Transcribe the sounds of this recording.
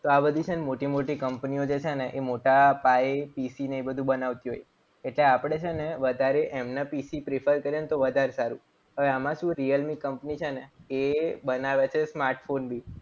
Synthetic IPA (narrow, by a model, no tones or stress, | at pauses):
t̪oabəd̪ʱit͡ʃʰenemoʈimoʈikəmpniod͡ʒet͡ʃʰeneʔemoʈapaepisineebəd̪ʱũbənaʋt̪iɦo̰j | eʈleapɽ̃et͡ʃʰeneʋəd̪ʱaɾeʔemnəpisipɾefʰəɾkəɾjant̪oʋəd̪ʱaɾesaɾũ | ɦəʋeamãʃũɾiəlmikːəmpnit͡ʃʰeneebənaʋet͡ʃʰesmaɾʈfonbʱi